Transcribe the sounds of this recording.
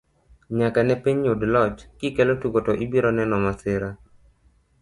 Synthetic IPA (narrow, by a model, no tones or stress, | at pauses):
ɲakanɛpiɲʊdlɔt͡ʃkikɛlotukotɔʔibiɾɔnɛnɔmasɪɾa